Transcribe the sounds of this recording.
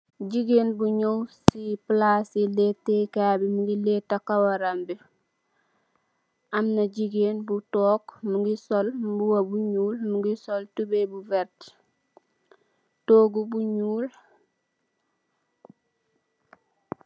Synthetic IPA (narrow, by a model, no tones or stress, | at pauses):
ɟiɡeːnbuɲowsiplasiletːekabimuɡiletːakawaɾambi | amnaɟiɡeːnbutɔːkmuɡisolmbuwabuɲuːlmuɡisoltubebuvɛɾti̥ | toːɡubuɲuːl